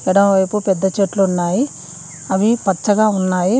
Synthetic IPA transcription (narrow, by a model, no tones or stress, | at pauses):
ɛɽɐmʋɐjpupɛd̪ːɐt͡ʃeːʈluːnːaːji | ɐʋipɐtt͡ʃːɐɡaːunːaːji